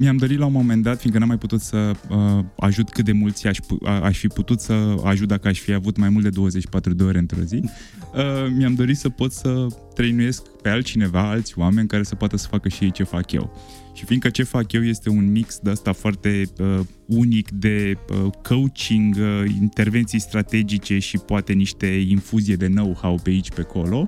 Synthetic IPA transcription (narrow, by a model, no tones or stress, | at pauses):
miamd̪o̞ɾilaumo̞me̞nd̪at̪fiŋɡkənamajput̪ut̪səəa̰ʒut̪kɨt̪̚d̪e̞mult̪sʲaʃʲpṵaʃfiput̪ut̪səa̰ʒut̪̚d̪akəaʃʲfiavut̪majmult̪d̪e̞d̪o̞wəze̞t͡ʃi̥pat̪ɾud̪e̞o̞ɾe̞ɨnt̪ɾo̞̰zi | əmiamd̪o̞ɾit̪səpo̞t̪ssət̪ɾejnuje̞skpe̞alt͡ʃine̞vaalt̪sʲoamenʲkaɾe̞səpoat̪əsə̥fakəʃijejt͡ʃe̞fakjḛw | ʃifind̪kət͡ʃe̞fakje̞wje̞st̪e̞unmiksd̪eəst̪afoart̪e̞ə | unikd̪e̞əkʰəwt͡ʃiŋɡḭnt̪e̞rve̞nt̪sijst̪ɾat̪e̞d͡ʒit͡ʃe̞ʃipoat̪e̞niʃt̪e̞infuzijed̪e̞nowhawpeait͡ʃʲpekʰo̞lo̞